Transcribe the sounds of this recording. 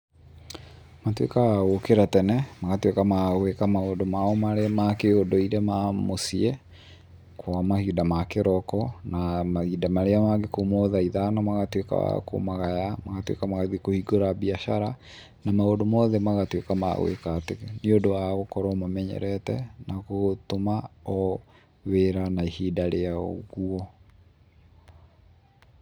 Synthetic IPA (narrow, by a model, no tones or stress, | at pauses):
matwḛkaaɣokeɾatɛnɛmaɣatwekamaɣwekamaoːdomaɔmaɾemakeodoiɾemamosie | kwamahidamakeɾɔkɔnamahidamaɾeamaɡekomɔðaiðanɔmaɣatweka̰a̰ko̰maɣajamaɣatwḛkamaɣaðikohiɡoɾaβiaʃaɾa | namaodomɔðɛmaɣatwekama̰ɣwḛkateniodoaɣokɔɾɔmamɛɲɛ̰ɾɛtɛ̰naɣotomaɔ | weɾanaihidaɾeao̰ɣuɔ